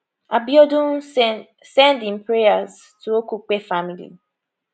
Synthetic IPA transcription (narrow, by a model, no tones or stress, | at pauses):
abiɔdõn | sɛ̃ndĩmpɹejaz | tʰuokuk͡pefamilḭ